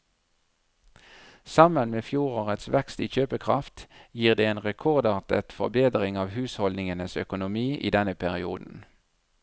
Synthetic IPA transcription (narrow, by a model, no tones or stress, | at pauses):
sɑmənmeːfjuːʁoːʁət̪sʋɛkst̪iːçøːpəkʰʁɑ̰ft̪jiːʁd̪eːeːnʁɛkʰɔʁd̪ɑːʁt̪ə̰t̪fɔ̰ʁbeːd̪ʁɪŋɑːʋhʉːshɔlnɪŋənəsœ̰kʊnʊmiːʔḭːd̪ɛnəpʰæʁɪuːd̪n̩